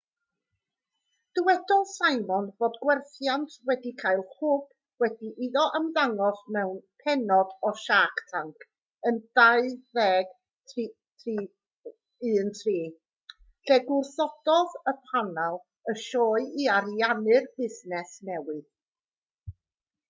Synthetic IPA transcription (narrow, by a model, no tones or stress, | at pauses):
d̥ɪwɛdɔlˠsaɨmɔnvoːdɡwɛrθjantʰwɛdikʰaɨlˠhʊb̥ | wɛdiʔiðɔʔəmðaŋɔsmɛwnpʰɛnɔdɔʃaktʰaŋkʰ | əndaɨvɛːɡ | tʰi | tʰiː | ɨːntʰriː | ɬɛɡʊrθɔd̥ɔðəpʰanalˠ | əʃɔːɨiaɾianɨrb̥ɪznɛsnɛwɨð̥